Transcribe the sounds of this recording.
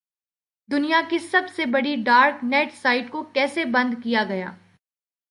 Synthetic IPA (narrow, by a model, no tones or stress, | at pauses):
d̪ʊnijakisɐbsebɐɽiɖaːɾknɛːʈsaːɪʈkokɛːsebɐ̃nd̪kijaɡɐja̰ː